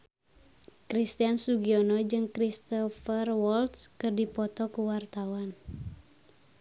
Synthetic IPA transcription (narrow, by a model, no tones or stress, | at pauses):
kɾist̪iansuɡiɔnɔd͡ʒɨŋkɾist̪ɔfərwɔlt̪skɨrdipɔt̪ɔkuwart̪awan